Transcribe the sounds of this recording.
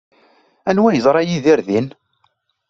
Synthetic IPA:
ænwæjəzˤɾˤɑjiðɪɾðin

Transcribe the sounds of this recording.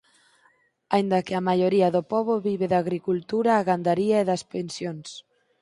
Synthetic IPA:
aind̪ɐkɪɐmajoɾiɐðʊpɔβʊβiβeðaɣɾikult̪uɾaːɣand̪aɾiaeðɐspensjons

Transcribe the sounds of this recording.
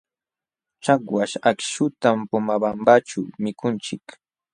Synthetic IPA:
t͡ʃakwaʃakʃʊt̪ampʊmabambat͡ʃamɪkʊnt͡ʃɪk

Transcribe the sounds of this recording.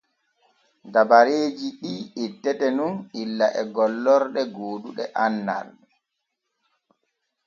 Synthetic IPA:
dabaɾeːd͡ʒiɗiːitːɛtɛnunilːaʔɛɡɔlːɔɾɗɛɡoːduɗɛʔanːa̰ɾɗɛ

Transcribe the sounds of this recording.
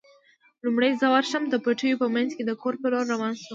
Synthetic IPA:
lumɽəjzəwaɾʃəmd̪əpaʈəjopəmanzked̪əkoɾpəloɾːawɑnʃu

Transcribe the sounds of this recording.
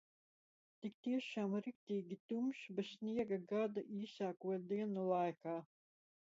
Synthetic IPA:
t̪ik̚t̪iɛʃaːmɾik̚t̪iːɡʲit̪umʃbɛsniɛɡɐɡad̪aʔiːsaːkuɔj̚d̪iɛnulˠajkaː

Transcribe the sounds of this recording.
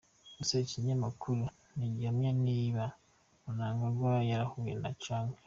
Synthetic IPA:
useciɲamakʰuɾu | niɟamjaniːβa | munaːŋɡaɡwajaɾahuːjḛna̰caːŋɡe

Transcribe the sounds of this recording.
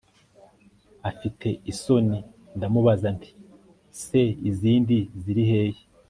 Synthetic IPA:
afitʰe̞iso̞ni | ndamuβazanti̥ | se̞iziːndiziɾihe̞ːje

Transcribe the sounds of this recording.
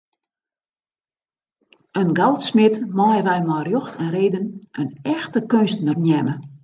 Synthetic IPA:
ənɡalˠtsmɪtmɔjəʋɛjmɔjrjoxtʰənreːdənənɛxtəkønstnərnjɛmə

